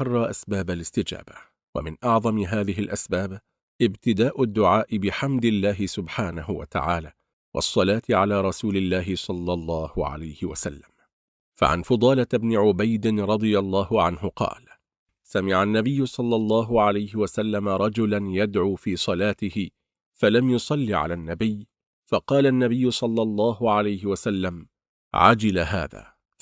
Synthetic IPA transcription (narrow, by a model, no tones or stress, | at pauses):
ɑrˤːɑːʔasbaːbalɪst̪ɪd͡ʒa̰ːba | wa̰mɪnʔɑʕðˤɑmɪɦaːðɪɦɪlʔasbaːb | ʔɪbt̪ɪd̪aːʔʊd̪ːʊʕaːʔɪbɪħamd̪ɪlːaːɦɪsʊbħaːnahʊwa̰t̪a̰ʕaːlaː | wʔɑ̰sˤːɑlaːt̪ɪʕalaːɾˤɑsuːlɪlːaːɦɪsˤɑlːɑlˤːɑːhʊʕa̰lajhɪwa̰salːam | fa̰ʕa̰nfɑd̪ˤɑːlaɪbnɪʕʊbajd̪ɪnɾˤɑd̪ˤɨjɑlˤːɑːhʊʕanɦʊqɑ̰ːl | samɪʕanːabɪjːʊsˤɑlːɑlˤːɑːɦʊʕalajhɪwasalːamaɾˤɑd͡ʒʊlanjad̪ʕuːfiːsˤɑlaːt̪ɪhɪ | falamjʊsˤɑlːiːʕa̰laːnːabɪjː | fɑqɑːlaʔnːabɪjːʊsˤɑlːɑlˤːɑːɦʊʕalajɦɪwasalːam | ʕa̰d͡ʒɪlaɦa̰ːða̰ː